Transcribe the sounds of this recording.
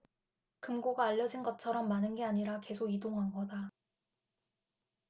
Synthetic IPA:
kɯmɡoɡaːʎːʌd͡ʑinɡʌt͡ɕʰʌɾʌmːanɯnɡe̞aɲiɾake̞sʰoɡidoŋɦanɡʌda

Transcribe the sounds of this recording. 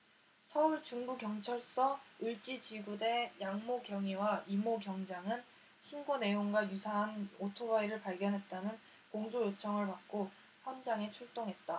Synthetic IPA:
sʰʌuɭt͡ɕuŋbukjʌŋt͡ɕʰʌɭs͈ʌɯɭt͡ɕ͈it͡ɕiɡude̞jaŋmoɡjʌŋiwaimoɡjʌŋd͡ʑaŋɯn | ɕʰinɡone̞joŋɡwajusʰaɦanotʰowaiɾɯɭpaɭɡjʌnɦe̞t̚t͈anɯn | koŋd͡ʑʰojot͡ɕʰʌŋɯɭpak̚k͈o | ɸʰjʌnd͡ʑaŋe̞t͡ɕʰuɭt͈oŋɦe̞t̚t͈a

